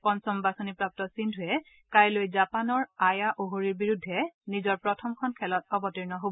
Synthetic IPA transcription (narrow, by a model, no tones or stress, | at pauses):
pɔnsɔmbasonipɹap̚tɔsindʱuɛ | kajlojzapanɔɹajaʔoɦoɹiɹbiɹudʱːɛnizɔɹpɹɔtʰɔmkʰɔnkʰɛlɔt̚ɔbɔtiɹnɔɦobɔ